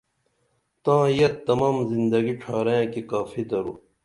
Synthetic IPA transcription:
t̪ãːjɐt̪ːɐmaːmzind̪ɐɡiʈ͡ʂʰaːɾẽkikaːfid̪ɐɾṵ

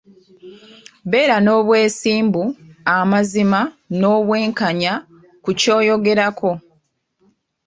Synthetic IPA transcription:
βe̞ːɾano̞ːβwe̞ːsiːmbuamazimano̞ːβwe̞ːŋkaɲa | kuco̞ːjo̞ɡe̞ɾakʰo̞

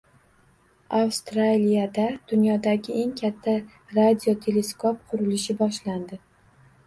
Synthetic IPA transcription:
awst̪ɾalijad̪ad̪̥ʊnjɒd̪aɡʲɪʔe̞ŋkʲʰat̪ʰːa | ɾad̪ʲiot̪ʰe̞le̞skopqʰʊɾɪlɪʃɪbɒʃland̪ɪ

